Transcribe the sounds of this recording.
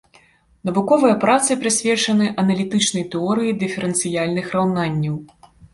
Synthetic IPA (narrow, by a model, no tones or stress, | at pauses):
nɐvukɔvɨjɐpɾat̪sɨpɾɨsʲvʲɛt͡ʂɐnɨʔɐnɐlʲit̪ɨt͡ʂnɐjt̪ɛɔɾɨjid̪ɨfʲɛɾɛnt̪sɨjalʲnɨxrawnanʲːɐw